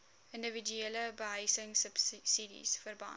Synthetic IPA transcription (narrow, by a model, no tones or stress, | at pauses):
ʔəndəvidyeləbəɦəjsəŋsəpssidḭsfərbɐ̰